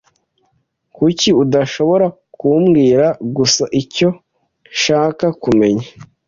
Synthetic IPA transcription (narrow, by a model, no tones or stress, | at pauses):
kuciudaʃo̞βo̞ɾa | kuːmɡiːɾaɡusaʔico̞ | ʃaːkakume̞ɲa